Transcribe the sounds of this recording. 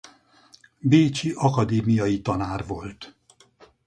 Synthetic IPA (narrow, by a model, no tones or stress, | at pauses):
beːt͡ʃiʔɒkɒd̪eːmijɒjit̪ɒnaːrvo̞lt̪